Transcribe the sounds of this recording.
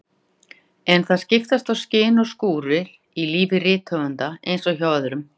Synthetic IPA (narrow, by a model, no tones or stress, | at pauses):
ɛnθaðscɪft̪ast̪awscɪːnɔɣskuːɾɪɾ | iliːvɪrɪːt̪ʰhœːvʏnt̪aejnsɔwçawaðʏɾʏm